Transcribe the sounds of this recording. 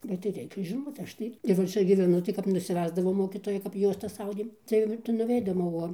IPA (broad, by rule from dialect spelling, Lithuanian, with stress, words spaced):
bʲɛt tɐɪ ˈrʲɛɪkʲɛ ʒʲɪˈnoːt ˈɐʃ tɐɪ ɪr ʋɐ ˈt͡ʃʲɛ ɡʲiːʋʲɛˈnʊ tɐɪ kɐɪp nʊsʲɪˈʋʲæːzdɐʋoː ˈmoːkʲiːtoːjɛɪ kɐp ˈjuɔstɐs ˈɐʊdʲeːm ˈtɐɪ tɐɪ nʊˈʋʲɛɪdoːm oː ˈoː